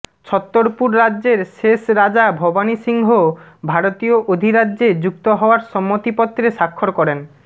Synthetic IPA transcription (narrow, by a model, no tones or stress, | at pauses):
t͡ɕʰɔt̪ːoɾpuɾːadːʑeɾʃeʃɾad͡ʑabʱɔbaniʃiŋɦobʱaɾot̪ijoʔod̪ʱiɾadːʑed͡ʑukt̪oɦɔoaɾʃɔmːot̪ipɔt̪ːɾeʃakʰːoɾkɔɾen